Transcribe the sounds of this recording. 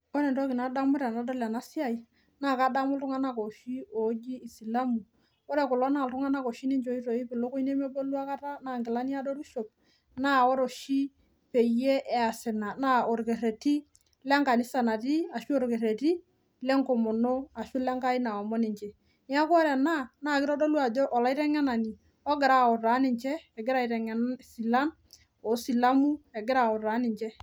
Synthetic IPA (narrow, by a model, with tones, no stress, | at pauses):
o˦ɾe˨ntɔ˦ki˨na˨˦da˦mu˦ɾa˨na˨do˦la˨na˦si˦a˦˨i˨ | na˦˨ka˨˦da˦mu˦ltu˦ŋa˦na˦ko˨ʃi˦o˨˦d͡ʒiː˦˨si˨la˦mu˨ | wɔ˦ɾe˨kʊ˨lɔ˦na˨ltu˦ŋa˦na˦ko˨ʃi˦ni˦ɲd͡ʒo˨˦i˦to˨i˦pi˨lo˦ku˦i˦ne˦me˦bo˦lu˦a˦ka˦ta˦na˦˨ŋɡɪ˨la˦ni˦a˦do˦ɾi˦ʃo˨p̚ | na˦˨wo˦ɾo˨ʃi˦ | pe˨je˦ʔɛ˨a˨sɪ˨na˨na˦o˨ɾke˨ɾe˨ti˦ | lɛ˦ŋka˨nɪ˦sa˨na˨ti˦a˨ʃu˦o˦ɾke˨ɾe˨ti˦ | lɛ˦ŋko˨mo˨no˦a˨ʃu˦lɛ˦ŋka˦i˦na˨ɔ˨mɔ˦nɪ˨ɲt͡ʃɛ˨ | ni˦a˦kɔ˦ɾɛ˨na˦na˦˨kɪɾɔ˦do˦lu˦a˨d͡ʒɔ˦ʔɔ˨la˦i˦ɾɛ˦ŋɛ˦na˨ni˨ | ɔ˦ɡɪ˨ɾa˦˨ɔ˨ɾa˨˦nɪ˨ɲt͡ʃɛː˦˨ɡɪ˦ɾa˦˨i˨ɾɛ˨ŋɛ˨n˦si˨la˦n | ɔ˨si˨la˦mu˦ɛ˨ɡɪ˦ɾa˨o˨ɾa˨˦nɪ˨ɲt͡ʃɛ˦